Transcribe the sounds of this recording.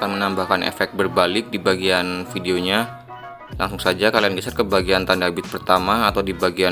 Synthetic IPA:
kanmənambahkanḛfɛk̚t̪̚bərbalɪk̚dibaɡianfideoɲa | lʔaŋsʊŋsad͡ʒakalianɡisat̪̚kəbaɡiant̪andabɪt̪̚pərt̪amaːt̪awdibaɡia

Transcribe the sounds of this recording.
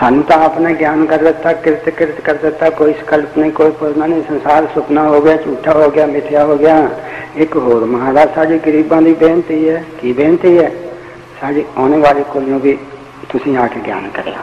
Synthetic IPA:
saːnũːt̪ãːəpnaːɡjaːnkəɾd̪ɪt̪ːaːkɪɾɪt̪kɪɾət̪kəɾd̪ɪt̪ːaːkoːisə̥kəlpnə̃ĩːkoːiːpʰʊlnãːnĩːsənsaːɾsʊpnaːɦoːɡɪjaːt͡ʃuːʈʰːaːɦoːɡɪjaːmɪt̪ʰjaːɦoːɡɪjaːɪkɦoːɾməɦaːɾaːsaːɖiːɡəɾiːbãːd̪iːbeːnt̪iːɛːkiːbẽːnt̪iːɛː | saːɖiːɔːneːʋaːliːkʊljõːbiː | t̪ʊsĩːaːkeːɡja̰ːnkəɾḛːa̰ː

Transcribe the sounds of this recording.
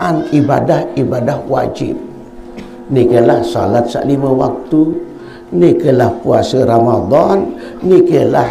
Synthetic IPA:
aniba̰dahibadahwa̰d͡ʒḭb̚ | nikəlahsa̰lat̪̚sa̰ʔlimə̃wa̰k̚t̪u | nikəlahpuasəɾamad̪ˤɑnːikəla

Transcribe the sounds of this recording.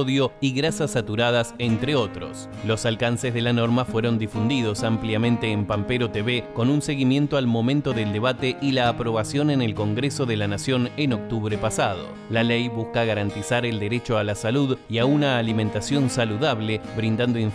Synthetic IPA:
ðjo̞iɣɾasasat̪uɾað̞asent̪ɾeo̞t̪ɾo̰s | lo̞salkansezðelano̞ɾmafweɾo̞nd̪ifund̪ið̞o̞sampljamẽ̞nt̪eːmpampeɾo̞t̪eβeko̞nunse̞ɣimjẽ̞nt̪oalmo̞mẽnt̪o̞ðeld̪eβat̪eʔilaːpɾo̞β̞asjo̞nenelko̞ŋɡɾeso̞ðelanasjo̞neno̞k̚t̪uβɾepasað̞o̰ | lalɛjβuskaɣaɾant̪isaɾeld̪eɾet͡ʃo̞alasaluðiaunaːlimẽnt̪asjo̞nsaluðaβleβɾind̪and̪oiɱ

